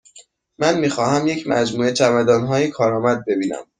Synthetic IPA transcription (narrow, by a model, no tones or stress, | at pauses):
mænmiːxɒːhæmjecʰmæd͡ʒmuːet͡ʃʰæmæd̪ɒːnɦɒːjekʰɒːɾɒːmæd̪̚be̞biːnæ̰m